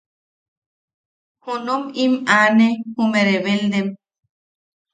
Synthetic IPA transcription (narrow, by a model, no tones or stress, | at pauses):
hunomimanehumeɾeβeld̪em